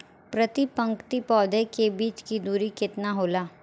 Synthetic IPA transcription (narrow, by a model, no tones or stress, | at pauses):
pɾɐt̪ipɐ̃ŋkt̪ipɔːd̪ʱekebiːt͡ʃkid̪uːɾikɪt̪naɦoːlaː